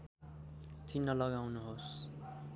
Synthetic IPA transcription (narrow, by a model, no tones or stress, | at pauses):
t͡sinːʌlʌɡawnuɦos